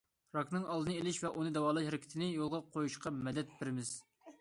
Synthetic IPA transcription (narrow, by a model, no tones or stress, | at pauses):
ɾɑknɨŋɑlˠd̪ɨnɨelɪʃvɛʔunɨd̪ɛwɑːlˠɑʃheɾɪkʲʰɪ̥t̪ʰɪnɪjolˠʁɑqʰojuʃqɑmɛd̪ɛt̪̚bɪɾɪmɪz̥